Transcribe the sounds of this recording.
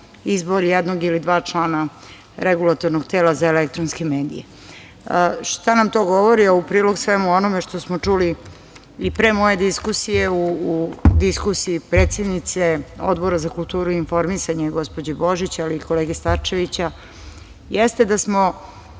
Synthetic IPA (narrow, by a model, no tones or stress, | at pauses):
izboɾjɛd̪noɡilid̪ʋaːt͡ʂlˠaːna | ɾeɡulˠat̪o̞ɾnoɡt̪e̞ːlazaelek̚t̪ɾonskeme̞ːd̪ḭjḛ | ʂt̪anamt̪o̞ːɡo̞ʋoɾiaupɾiːlo̞ɡsʋemuo̞nomeʂt̪o̞smot͡ʂuli | ipɾeːmo̞je̞d̪iskusijeuːd̪iskusiːpɾet̪sed̪nit̪seo̰d̪boɾazakulˠt̪uːɾuiinfo̞ɾmisaɲeɡo̞spod͡ʑeboʒit͡ɕaaliːko̞leːɡest̪aɾt͡ʃe̞ʋit͡ɕa | jest̪e̞d̪asmo̞